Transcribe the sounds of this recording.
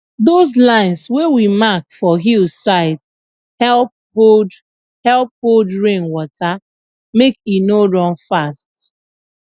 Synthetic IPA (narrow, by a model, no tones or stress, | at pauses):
dozlãɪ̃nswewimakfɔɦilsaɪd | hɛlp̚hold | hɛlp̚holdɹẽnwɔta | mekinoɹɔ̃nfast